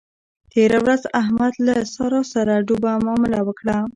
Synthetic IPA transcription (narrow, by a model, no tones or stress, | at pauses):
t̪eɾawɾazaɦmad̪lasɑɾɑsaɾaɖobamɑmɪlawəkɽa